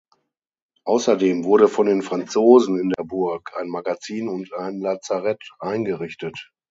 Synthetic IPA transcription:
ʔaʊsɐdeːmvʊɐɾəfɔndeːnfʁ̥ant͡soːzn̩ɪndeːɐbʊɐkʰʔaɪnmaɡat͡siːnʊntʰaɪnlaːt͡saʁɛtʔaɪnɡəʁɪçtət

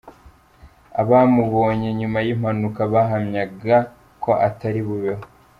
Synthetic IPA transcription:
a̰βaːmuβo̞ːɲe̞ɲumajim̥hanukaβaɦamɲaɡa | ko̞ʔataɾiβuβeɦo

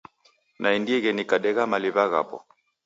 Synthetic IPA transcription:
nʔaindiɛɣɛnikaɗɛɣamaliβaɣa̰pɔ̰

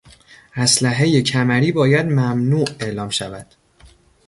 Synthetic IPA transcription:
ʔæslæɦeje̞cʰæmæɾiːbɒːjæd̪mæmnuːʔe̞ʔlɒːmʃævæd̪̥

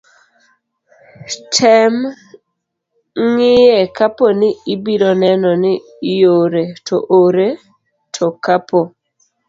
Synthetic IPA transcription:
tʰɛm | ŋɪjɛkaponɪɪbiɾɔnɛnɔnɪ | joɾetʰɔʔoɾe | tʰɔkapo

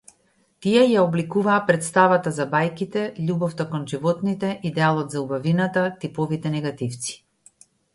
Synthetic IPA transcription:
t̪iɛjaɔblikuvaːpɾɛt̪st̪avat̪azabajkit̪ɛʎʲubɔft̪akɔnʒivɔt̪nit̪ɛʔid̪ɛalˠɔd̪zaubavinat̪at̪ipɔvit̪ɛnɛɡat̪ift̪si̥

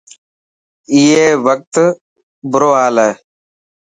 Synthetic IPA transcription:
iːeːʋək̚t̪ | bʊɾoːɦaːlɛː

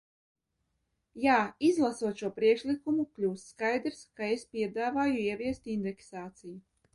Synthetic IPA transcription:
jaːizlˠasuɔt̪ʃuɔpɾiɛkʃlikumuklʲuːst̪ːkajd̪ɾskaespʲiɛd̪aːvaːjuiɛvʲiɛst̪ind̪ɛksaːt̪siju

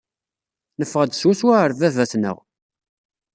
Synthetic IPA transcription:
nəfːəʁəd̪swæswæəɾvævæsnə̰ʁ

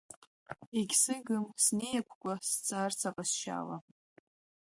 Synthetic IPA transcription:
eɡʲsɨɡɨmsne̞jakʷʰkʷʼast͡sʼart͡sʰaqʼasʃa̰ːla

